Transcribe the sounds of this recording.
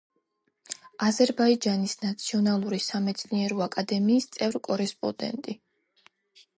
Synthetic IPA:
azɛɾbaid͡ʒanisnat̪sʰiɔnalˠuɾisamɛt̪sʰniɛɾɔakʼad̪ɛmiːst̪sʼɛvɾkʼɔɾɛspʼɔ̰d̪ɛ̰nt̪ʼi

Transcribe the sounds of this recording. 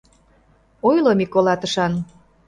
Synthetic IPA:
ojlomikːolɑt̪əʃɑn

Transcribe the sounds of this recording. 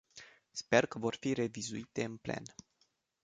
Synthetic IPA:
spe̞rkəvo̞rfiɾe̞vizuit̪e̞ɨnple̞̰n

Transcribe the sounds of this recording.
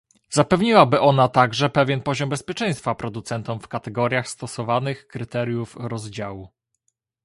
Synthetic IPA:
zapɛvɲiwabɘʔɔnat̪aɡʐɛpɛvʲjɛnpɔʑɔmbɛspʲjɛt͡ʂɛ̃j̃st̪fapɾɔd̪ut̪sɛnt̪ɔmfkat̪ɛɡɔɾʲjaxst̪ɔsɔvanɘxkɾɘt̪ɛɾʲjufɾɔzd͡ʑawu

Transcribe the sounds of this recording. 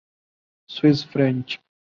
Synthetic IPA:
swisfɾɛ̃nt͡ʃ

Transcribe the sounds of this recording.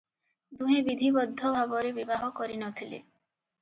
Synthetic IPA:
d̪uɦebid̪ʱibɔd̪ʱːɔbʱabɔɾebibaɦɔkɔɾinɔt̪ʰilḛ

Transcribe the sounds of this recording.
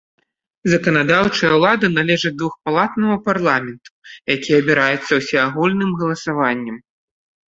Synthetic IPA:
zɐkɐnad̪awt͡ʂɐjɐwlˠad̪ɐnalʲɛʐɨd̪vuxpalˠat̪nɐɣɐparlˠamʲɛnt̪u̥jakʲijɐbʲiɾajɛt̪sːɐwsʲɛaɣulʲnɨmɣɐlˠɐsavanʲːɛm

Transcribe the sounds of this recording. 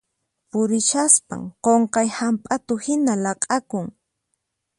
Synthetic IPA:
pʊɾɪʃaspa̰ŋqoɴqɑjhampʼat̪ʊhɪnalɑqʼɑkʊŋ

